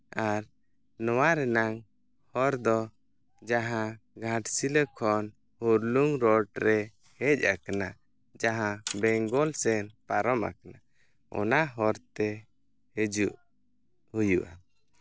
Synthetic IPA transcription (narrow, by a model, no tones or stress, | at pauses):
aɾ | nɔwaɾɛnaŋ | hɔɾd̪ɔ | d͡ʒaɦã | ɡʱãʈsiləkʰɔn | huɾluŋɾɔɖɾɛ | hɛc̚ˀakana | d͡ʒaɦãbɛŋɡɔlsɛnpaɾɔmʔa̰kana | ɔ̰naɦɔɾt̪ɛ | hed͡ʒuʔ | hujuʔa